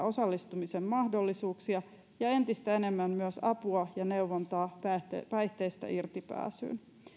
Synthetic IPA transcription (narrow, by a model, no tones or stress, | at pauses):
o̞sɑlːist̪umisemmɑhdo̞lːisuːksiɑ | jɑe̞nt̪ist̪æene̞mːæmmyøsɑpuɑjɑneuʋːont̪ɑːpæt̪pæiht̪eist̪æ̰ʔirt̪ipæ̰ːsy̰ːn